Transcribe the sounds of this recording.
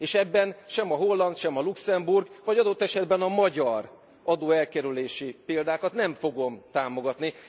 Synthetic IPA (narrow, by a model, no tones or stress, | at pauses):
eːʃɛbːɛnʃɛmɒɦo̞lːɒnt̪ʃɛmɒluksɛmburɡvɒɟɒd̪o̞t̪ːɛʃɛd̪bɛnɒmɒɟɒr | ɒd̪oːɛlkɛɾyleːʃipeːld̪aːkɒt̪nɛɱfo̞ɡo̞mt̪aːmo̞ɡɒt̪ni